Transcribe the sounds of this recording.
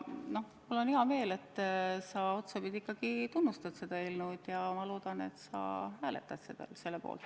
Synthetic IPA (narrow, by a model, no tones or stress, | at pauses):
no̞h | mulːo̞niɦɑme̞ːle̞t̪ːˑsɑo̞t̪sɑpid̪̥ʲiikːɑɡ̥it̪unːust̪ɑd̪se̞d̪̥ɑelnud̪̥jɑmɑlo̞ːd̪̥ɑne̞t̪sɑ̰hæːlḛt̪ːˑɑd̪̥sed̪̥ɑ̰lse̞lːepo̰ːlt̪ː